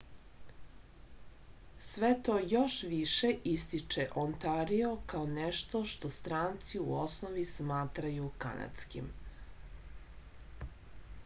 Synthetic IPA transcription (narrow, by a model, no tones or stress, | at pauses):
sʋe̞t̪o̞ːjo̞ʃʋiʃeʔist̪it͡ʃeʔont̪aɾio̞kaoneʃt̪o̞ʃt̪o̞st̪ɾaːnt̪siuosnoʋismaːt̪ɾajuka̰na̰t̪skḭm